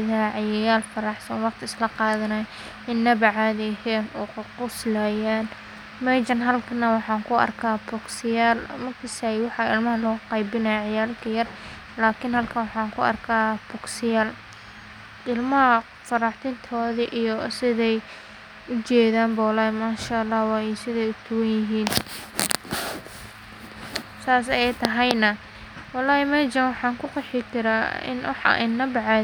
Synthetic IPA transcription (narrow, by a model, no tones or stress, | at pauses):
ðaʕɑjɐjaːlfɐɾɑħsɐnwɑqt̪ʰɪɪslɐqɑːðɐnɐj | ʔɪnːɐβɐʕaːðɛɦɛːnɔːqʰʊqʊslajaːn | mɛd͡ʒɐnɦɐlkʰɐnɐwɑħɑːŋkʰʊɐ̰rkʰaːbʊksɪjaːlmɐrkʰɐsajwɑħɑɪlmɐɦɐlɔːqɑjbɪnɐjaʕɑjaːlkʰɐjɐr | laːkʰɪnhɐlkʰɐnwɑħɑːŋkʰʊɐ̰rkʰaːbɔksɪjaːl | ʔɪlmɐɦɐ | fɐɾɑːħt̪ʰɪnt̪ʰɔːðiʔijɔsɪðɛj | ʊt͡ʃɛːðaːmbɐwlaːjɛmaːʃaɑlːɑːhwɑːjɛsɪðɛjʊt̪ʰʊwɐnjɪɦiːn | saːs̬ɐjɛjt̪ʰɐɦɐjnɐ | wɑlːaːhɛmɐːd͡ʒɐnwɑħɑːŋkʰʊqɑħɪkʰɪɾaːɪ̰nwɑ̰ħɑ̰ʔɪnːɐbɑʕa